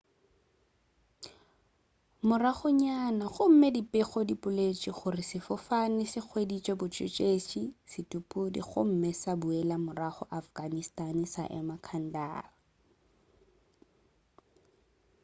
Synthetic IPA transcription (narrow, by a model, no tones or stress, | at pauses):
mʊraχʊɲanaχʊm̩medipʼɪχɔdipʼʊlet͡ʃʼiχʊrɪsɪfɔfanɪsɪk͡xʰwedit͡ʃʼɔbʊt͡ʃʼɪ̰t͡ʃʼeʃisɪtʼupʼʊdḭχʊ̰m̩mɛsabuɛlamʊraχɔʔafɡanistanɪsa̰ʔɛ̰makʰan̩da̰ːra